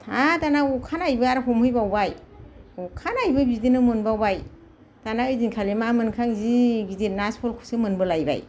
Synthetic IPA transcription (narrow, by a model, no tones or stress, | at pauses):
tʰatanaukʰanajbɯaɾɦɔmhɯjbawbaj | ɔkʰanajbɯbidinɯmɯnbawbaj | tanaɯjdinkʰalimamɯnkʰaŋzibidinaspʰɔlkʰu̥sɯmɯnbɯlajba̰j